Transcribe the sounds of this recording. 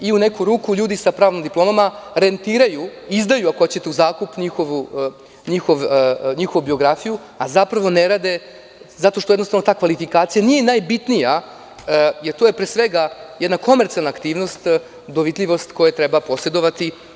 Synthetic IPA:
iunekuɾuːkuʎuːd̪isapɾaːʋnomd̪iplˠo̞mamaɾe̞nt̪iːɾajuizd̪ajuakoot͡ɕet̪euzaːkupɲixoʋu | ɲixoʋɲixo̞ʋubio̞ɡɾafiju | azapɾaʋo̞neɾad̪e̞ | zat̪o̞ʃt̪ojed̪nosavno̞t̪aːkʋalifikaːt̪sijanije̞najbit̪nija | jeɾt̪ojepɾeːsʋeɡajed̪nako̞meɾt̪sialnaːkt̪iːʋno̞st̪ | d̪o̞ʋit̪ʎʲiʋo̞st̪ko̞jet̪ɾebapo̞se̞d̪o̞ʋat̪i

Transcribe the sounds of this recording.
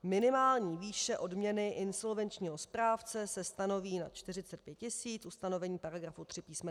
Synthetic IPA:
mɪnɪmaːlɲiːviːʃɛʔo̞dmɲɛnɪʔɪnso̞lvɛnt͡ʃɲiːɦo̞spɾaːft͡sɛsɛst̪ano̞viːna̰t͡ʃt̪ɪrɪt͡sɛt̪̚pjɛt̪̚cɪsiːt͡sʔust̪ano̞vɛɲiːpaɾaɡɾafut̪r̥ɪpiːsmɛ

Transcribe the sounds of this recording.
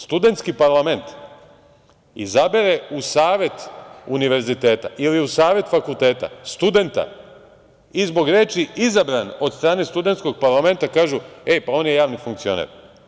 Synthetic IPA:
st̪ud̪e̞nt̪skipaɾlˠame̞nt̪ | ḭzabeɾe̞usaːʋje̞t̪uniʋe̞ɾzit̪e̞ːt̪a̰ʔiliusaːʋe̞t̪fakulˠt̪e̞ːt̪a̰st̪ud̪e̞nt̪a̰ | izbo̞ɡɾe̞ːt͡ʃiizabɾanod̪st̪ɾaːne̞st̪ud̪ent̪sko̞ɡ̚paɾlˠame̞nt̪akaːʒuepao̞ːnjejaːʋnifuŋk̚t̪sio̞̰nḛɾ

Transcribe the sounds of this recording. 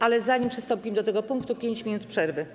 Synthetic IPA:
alɛzaɲimpʂɘst̪ɔ̃mpʲiɛmd̪ɔt̪ɛɡɔpuŋkt̪upʲjeɲt͡ɕmʲinut̪pʂɛɾvɘ

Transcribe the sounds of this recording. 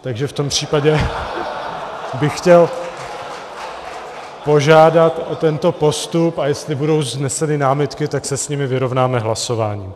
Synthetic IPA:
t̪aɡʒɛft̪o̞mpr̝̥iːpaɟɛ | bɪxːcɛl | po̞ʒaːdat̪ʔot̪ɛnt̪o̞po̞st̪upajɛst̪lɪbudo̞wznɛsɛnɪnaːmɪt̪kɪt̪aksɛsɲimɪvɪɾo̞vnaːmɛɦlaso̞vaːɲiː

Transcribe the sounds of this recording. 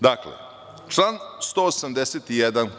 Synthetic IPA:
d̪aklḛ | t͡ʃlanst̪o̞osamd̪eset̪ijed̪an

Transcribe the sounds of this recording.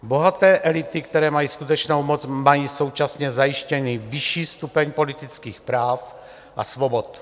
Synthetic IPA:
bo̞ɦat̪ɛːʔɛlɪt̪ɪkt̪ɛɾɛːmajiːskut̪ɛt͡ʃnowmot͡smajiːso̞wt͡ʃasɲɛzajɪʃcɛnivɪʃiːst̪upɛɲpo̞lɪt̪ɪt͡skiːxpɾaːf | ʔa̰svo̞bot̪

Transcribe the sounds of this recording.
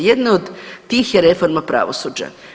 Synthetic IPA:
jed̪neod̪ːiːxjeɾe̞fo̞ɾmapɾa̰ːʋo̰suːd͡ʑa̰

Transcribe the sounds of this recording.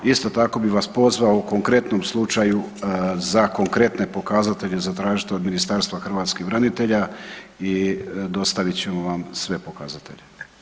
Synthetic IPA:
ist̪o̞t̪ako̞biʋaspo̞zʋaouko̞ŋkɾe̞t̪no̞mslˠut͡ʃajuzako̞ŋkɾe̞t̪ne̞po̞kazat̪e̞ʎe̞zat̪ɾaːʒit̪eod̪minist̪aɾst̪ʋaxr̩ʋaːt̪skibɾanit̪e̞ʎaid̪o̞st̪aʋit͡ɕe̞moʋamsʋe̞po̞kazat̪e̞̰ʎe̞

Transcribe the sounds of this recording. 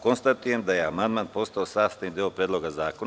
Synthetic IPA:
konst̪at̪ujemd̪ajeamand̪manpo̞st̪aosaːst̪anid̪iopɾʲed̪lˠo̞ɡazaːkon

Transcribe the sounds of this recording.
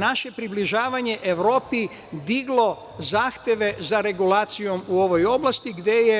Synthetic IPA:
naʃe̞pɾibliʒaːʋaɲe̞ʔeʋɾo̞ːpi | d̪iɡlˠo̞ | zaːxt̪je̞ʋe̞zaɾe̞ɡulaːt̪sijo̞muo̞ʋojo̞blast̪iɡd̪e̞je

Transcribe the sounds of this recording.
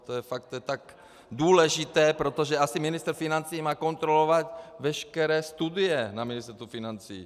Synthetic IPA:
t̪ojɛfak̚t̪jɛt̪aɡ | duːlɛʒɪt̪ɛːpɾot̪oʒɛʔasɪmɪnɪst̪ɾ̩fɪnant͡siːmaːko̞nt̪ɾolovat̪vɛʃkɛɾɛːst̪udɪjɛnamɪnɪst̪ɛɾt̪ufɪnant͡sḭː

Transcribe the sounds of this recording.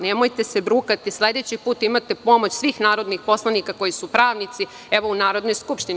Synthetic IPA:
nemo̞jt̪e̞se̞bɾuːkat̪isle̞d̪e̞t͡ɕipuːt̪imat̪epo̞mo̞t͡ɕsʋiːxnaːɾo̞d̪nixpo̞slˠanikako̞jisupɾaːʋnit̪si | eʋo̞unaːɾo̞d̪no̞jskupʃt̪in

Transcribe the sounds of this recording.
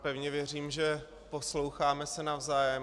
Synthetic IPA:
pɛvɲɛvjɛriːmʒɛ | po̞slowxaːmɛsɛnavzaːjɛ

